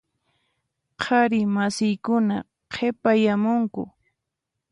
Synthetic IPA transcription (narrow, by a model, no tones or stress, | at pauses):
qʰaɾɪmasɪjkʊna | qʰepajamʊŋkʊ̰